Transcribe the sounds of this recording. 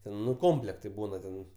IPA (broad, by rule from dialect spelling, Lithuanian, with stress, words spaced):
ˈtʲɛn nʊ ˈkoːmʲpʲlʲɛktɐɪ ˈbuːnɐ tʲɛn